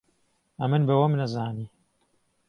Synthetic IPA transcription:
ɐmɨnbɐwɐmnɐzaːniː

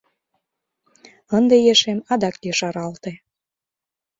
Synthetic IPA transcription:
ənd̪ejeʃemɑd̪ɑkjeʃɑɾɑlt̪e

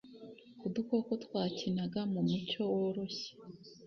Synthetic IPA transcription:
kuduko̞kotwaːcinaɡamumuco̞woɾoɕe̥

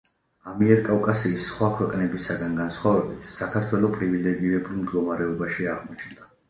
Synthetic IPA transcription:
amiɛɾkʼavkʼasiːsːχwakʰwɛqʼnɛbisaɡanɡansχwavɛbit̪ʰsakʰaɾt̪ʰwɛlˠɔpʼɾivilɛɡiɾɛbulˠmd̪ɡɔmaɾɛɔbaʃiaʁmɔt͡ʃʰnd̪a

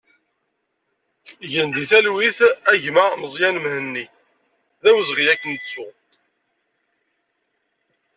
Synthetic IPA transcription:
ʝənd̪iθælwiθæʝmæməzˤjænmhənːi | ðæwəzʁijækːənt͡sːʊ

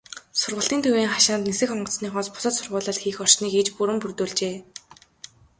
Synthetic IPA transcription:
sʊrʁə̆ɬt̪iːnt̪ʰuwiːŋχaʃaːnt̪nesɘ̆xɔɴɢɞ̆t͡ssniːχɔːspʊ̥sə̆t̪sʊrʁʊːɮə̆ɬt̪xiːxɔr̥t͡ɕniːket͡ɕpuɾɘ̆mpurt̪oːɮt͡ɕeː

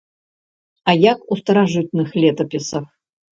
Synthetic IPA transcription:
ajakust̪ɐɾaʐɨt̪nɨxlʲɛt̪ɐpʲɪsɐf

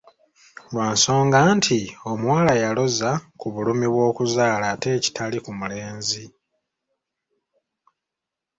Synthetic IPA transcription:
lwaːnso̞ːŋɡaːntʰio̞mwaːlajalo̞zakuβulumiβwo̞ːkuzaːlaːte̞ːci̥tʰalikumule̞ːnzi

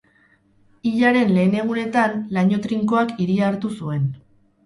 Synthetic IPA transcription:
iʎaɾe̞nle̞ːne̞ɣ̞une̞t̪anlaɲo̞t̪ɾiŋko̞akiɾiaɾt̪usue̞n

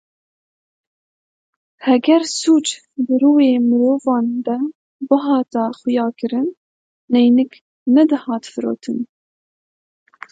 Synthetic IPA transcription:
hɛɡʲɛɾsuːt͡ʃ | d̪ɨɾuːweːmɨɾoːvɑːnd̪ɛ | bɨɦɑːt̪ɑxʊjɑːkɨɾɨnː | ɛjnɨk | nɛd̪ɨhɑːt̪fɨɾo̰ːt̪ʰɨn

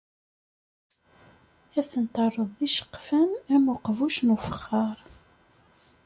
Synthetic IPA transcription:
æθənt̪ərˤːəðˤðiʃə̥qːfænæmʊqvuʃnufə̥χːɑɾˤ

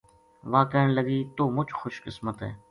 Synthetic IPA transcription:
ʋaːkəːɳləɡiːt̪oːmʊt͡ʃxʊʃkɪsmət̪ɦɛ̰ː

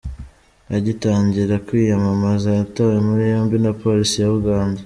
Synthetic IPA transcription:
aɟitaːɲɟiɾakwiːjamamazajatawemuɾijo̞ːmbinapo̞ːɾisijaβuɡaːnda

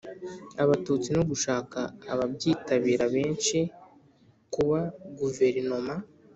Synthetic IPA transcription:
aβatuːt͡sinoɡuʃaːkaːβabɟiːtaβiːɾaβe̞ːnʃi | kuβaɡuve̞ɾino̞ma

